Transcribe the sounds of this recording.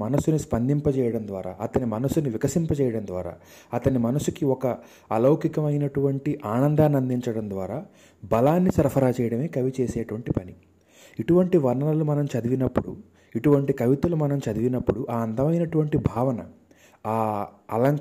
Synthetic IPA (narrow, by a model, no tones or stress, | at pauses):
mɐnɐsunispɐnd̪ʱimpɐt͡ʃɛːjɐɽɐmd̪ʋa̰ːɾa̰ːʔɐt̪ɐnimɐnɐsuniʋikɐsimpɐt͡ʃɛːjɐɽɐnd̪ʋaːɾa̰ː | ɐt̪ɐnimɐnɐsukiɔkɐ | ɐlɐwkikɐmɐjinɐʈuʋɐɳʈiʔaːnɐnd̪aːnɐnd̪iɲt͡ʃɐɽɐnd̪ʋaːɾaː | bɐlaːnːisɐɾɐpʰɐɾaːt͡ʃɛːjɐɽɐme̞ːkɐʋit͡ʃɛːsɛːʈuʋɐɳʈipɐni | iʈuʋɐɳʈiʋɐɾɳɐɐlumɐnɐmt͡ʃɐd̪iʋinɐpːuɽṵ | iʈuʋɐɳʈikɐʋit̪ɐlumɐnɐmt͡ʃɐd̪iʋinɐpːuɽuʔaːɐnd̪ɐmɐjinɐʈuʋɐɳʈibʱaːʋɐnɐ̰ | aː | ɐ̰lɐŋ